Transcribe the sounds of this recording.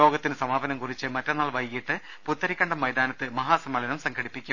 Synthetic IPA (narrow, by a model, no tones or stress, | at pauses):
o̞ːɡɐt̪ːinɨsɐmaːʋɐnɐmkurit͡ɕːɨmɐtːɐnːaːɭʋɐjɣiʈːɨ | put̪ːɐɾikʲːɐɳɖɐmːɐjd̪aːnɐt̪ːɨmɐɦaːsɐmɐlɐnɐmsɐŋɡʰɐɽipːikʲːum